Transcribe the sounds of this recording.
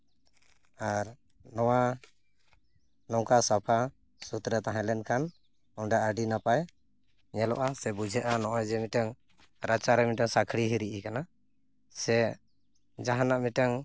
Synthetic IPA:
aɾ | nɔwa | nɔŋkasapʰa | sut̪ɾɛt̪aɦãlɛnkʰan | ɔnɖaʔəɖinapaj | ɲɛlɔ̰ʔasɛbud͡ʒʱɛʔanɔʔajd͡ʒɛmiʈaŋ | ɾat͡ʃaɾɛmiʈaŋsakʰɽiɦiɾiʔikana | sɛ | d͡ʒaɦanaʔmiʈaŋ

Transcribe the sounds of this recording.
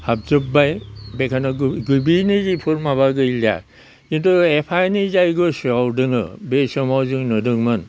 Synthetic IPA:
hab̚zɯp̚bajbekʰanɯɡɡɯbinɯzipʰɯɾmaβaɡɯila̰ | kintuepʰajnizajɡɯsuawdɯŋɯ̰besɔmawzɯŋnɯdɯŋman

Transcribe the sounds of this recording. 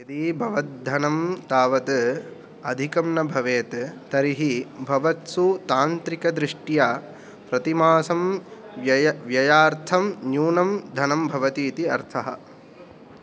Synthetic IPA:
ɐd̪ibʱɐʋɐt̪̚d̪ʱɐnɐmt̪aːʋɐt̪ | ɐd̪ʱikɐmnɐbʱɐʋeːt̪ːɐɾiɦibʱɐʋɐt̪sut̪aːnt̪ɾikɐd̪ɾɪʂʈjaː | pɾɐt̪imaːsɐm | jɐjʋjɐjaːɾt̪ʰɐmnjuːnɐmd̪ʱɐnɐmbʱɐʋɐt̪iːt̪iɐɾt̪ʰɐɦɐ̰̆

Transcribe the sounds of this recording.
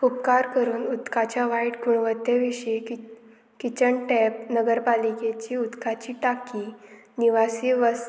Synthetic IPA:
kup̚kaɾkəɾuːnut̪kat͡ɕjaʋaiʈɡuɳʋət̪ːeʋiɕi | kit͡ɕəɳʈɛp̚nəɡəɾpaliket͡ɕiːut̪kat͡ɕiːʈakiːniʋasiːʋəs

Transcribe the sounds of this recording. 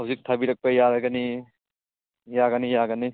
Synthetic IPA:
ɦɐwzik̚tʰabiɾɐk̚pajaɾaɡɐni | jaɡɐnijaɡɐni

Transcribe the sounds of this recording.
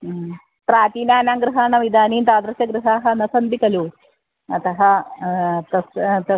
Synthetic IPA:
pɾaːt̪iːnaːnaːŋɡɾɨɦaːɳɐʋid̪ʱaːniːnt̪aːd̪ɾɐʃɐɡɾɨɦaːɦɐnɐsɐnd̪ikɐlu | ɐt̪ɐɦɐ | t̪ɐst̪ɐ

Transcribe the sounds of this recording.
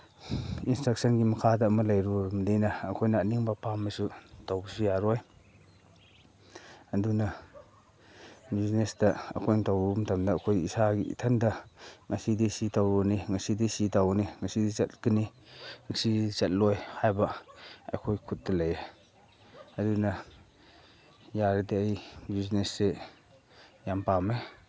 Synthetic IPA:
instɾak̚sɐnɡimɐkʰadɐːmɐlɐjɾumdinɐːkʰojnɐːniŋbɐpʰamːɐsutawbusujaɾɔj | ɐdunɐ | biznesdɐɐ̰kʰojntawumtʰɐmdɐːkʰojisaɡḭtʰɐndɐŋɐsidisitʰawuniŋɐsidisitawniŋɐsidit͡ʃɐt̚kiniŋɐsit͡ʃɐt̚lɔjhajbɐɐ̰kʰojkʰut̚dɐlɐje | ɐdunɐ | jaɾdiɐjbiznesːe | jampame

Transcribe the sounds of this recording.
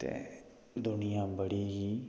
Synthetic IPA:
t̪ḛː | d̪ʊnɪjãːbəɽiːɦiː

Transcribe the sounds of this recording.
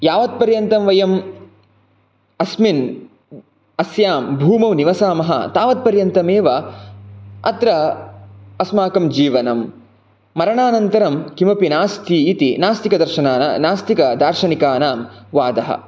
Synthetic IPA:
jaːʋɐt̪̚pɐɾjɐnt̪ɐmʋɐjɐm | ɐsmin | ɐsjaːmbʱuːmɐʋniʋɐsaːmɐɦɐ̰t̪aːʋɐt̪̚pɐɾjɐnt̪ɐmeːʋɐ | ɐ̰t̪ɾɐ | ɐsmaːkɐmd͡ʒiːʋɐnɐmː | ɐɾɐɳaːnɐnt̪ɐɾɐmkimɐpinaːst̪ʰiːt̪inaːst̪ikɐd̪ɐɾʃɐnaːnɐ̰naːst̪ikɐd̪aːɾʃɐnikaːnaːmʋaːd̪ɐɦɐ̰

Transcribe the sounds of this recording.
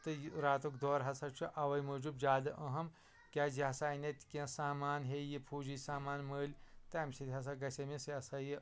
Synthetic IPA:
t̪ɨɾaːt̪ukd̪oːɾɦɐsɐt͡ʃʰuʔɐʋɐjmɐd͡ʒubd͡ʒaːd̪ɨʔɐɦɐm | kʲaːd͡ʒihɐsaːinɐt̪ʲkʲẽsaːmaːnɦeːjipʰuːd͡ʒisaːmaːnməːlʲt̪ɐɐmsʰit̪ʲhɐs̬ɐɡɐsʲɐmisiɐsɐji

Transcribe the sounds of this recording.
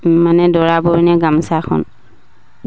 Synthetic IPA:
manɛdɔɹabɔɹnɛɡamsakʰɔ̰n

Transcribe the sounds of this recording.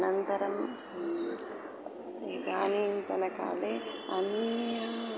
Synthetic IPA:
nɐnt̪ɐɾɐm | eːɡ̪aːniːnt̪ɐnɐka̰ːleɐnːɐ

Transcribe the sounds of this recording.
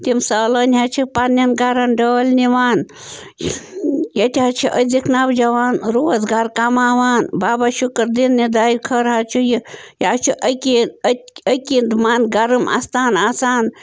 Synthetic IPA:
t̪imsɐːlɐːnʲɦat͡ʃʰipanːɐnɡaɾɐnɖəːlniʋaːn | jɐt̪ʲɦat͡ʃʰiʔəd̪ikʰnaːwd͡ʒɐʋaːnɾoːɐzɡaɾkamaːʋaːnbaːbaʃukɾd̪inːid̪aːjikʰəɾɦat͡ʃʰujijaːt͡ʃʰiʔəkʲiətʲəkind̪maːnɡɐɾɨma̰st̪aːnaːsaːn

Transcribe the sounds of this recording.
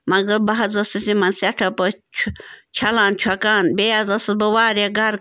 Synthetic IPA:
mɐɡɐɾbɐɦɐzɐsisimɐnsʲɐʈʰɐpɐt͡ʃʰt͡ʃʰɐlãːnt͡ʃʰwɐkaːnbejazɐsɨbɐwaːɾjaɡɐɾ

